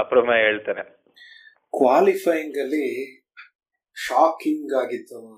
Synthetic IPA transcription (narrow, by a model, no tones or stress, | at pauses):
ɐpɾɐmɐɦeːɭt̪aːne | kʋaːlifʰɐjiŋɡɐlːi | ʃaːkiŋɡaːɡit̪ːu